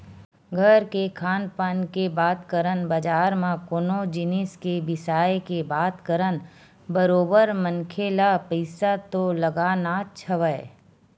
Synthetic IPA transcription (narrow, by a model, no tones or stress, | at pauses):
ɡʱəɾkekʰaːnpankebaːt̪kəɾənbɐd͡ʒaːɾmãkʊnod͡ʒɪnɪskebɪsaːjkebaːt̪kəɾən | bəɾoːbəɾmənkʰeːlapəɪsat̪olɐɡaːnat͡ʃʰəʋəe